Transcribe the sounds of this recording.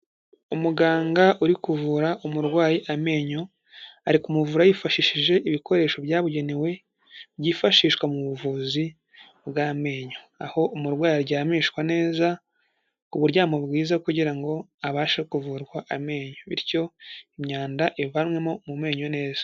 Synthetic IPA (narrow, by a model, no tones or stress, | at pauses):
umuɡaːŋɡaʔuɾikuvuɾaʔumuɾɡwaːjiʔame̞ːɲo̞ | aɾikumuvuɾajifaʃiʃiʒe̞ʔiβiko̞ɾe̞ːʃo̞βjaːβuɟe̞newe̞ | βɟifaʃiːʃkwamuβuvuːzi | bɡaːme̞ːɲo̞ | aho̞ʔumuɾɡwaːjiɾɟaːmiːʃkwane̞ːza | kuβuɾɟaːmobɡiːzakuɟiɾaŋɡo̞aβaːʃekuvuːɾɡwaʔame̞ːɲoβiɾco̞imɲaːndaʔivamwe̞mo̞mume̞ːɲo̞ne̞ːzḁ